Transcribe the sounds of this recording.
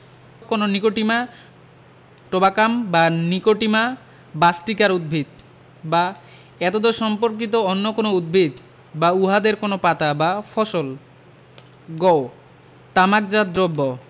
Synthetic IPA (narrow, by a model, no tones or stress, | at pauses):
kononikoʈima | ʈobakambanikoʈima | basʈikaɾud̪̚bʱid̪̚ | ba | ɛt̪od̪oʃɔmpoɾk̬it̪̬oonːokonoud̪̚bʱid̪ | bauɦad̪eɾkonopat̪abafʰɔʃol | ɡɔo | t̪amak̚d͡ʑad̪ɾobːo